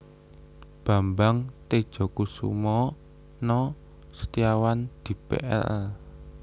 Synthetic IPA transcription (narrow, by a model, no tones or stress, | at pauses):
b̥a̤mbaŋt̪ed̥ʒ̥ɔ̤kusṵmɔ | nɔ | sə̥t̪iawand̪̥i̤pḛʔɛ̰lɛl